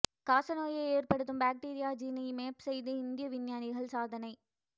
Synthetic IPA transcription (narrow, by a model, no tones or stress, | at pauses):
kaːsɐnoːjɐɪeːrpɐɽɯt̪ːɯmbaːk̚ʈiːɾɪjaːd͡ʒiːnɐjmeːpsɛjðɯɪnd̪ɪjɐʋɪnjaːnɪɣɐɭsaːðɐnɐɪ